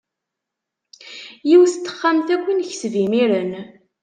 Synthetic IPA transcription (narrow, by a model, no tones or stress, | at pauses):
jiwst̪ːə̥χːamθækʷːinçsvimiɾən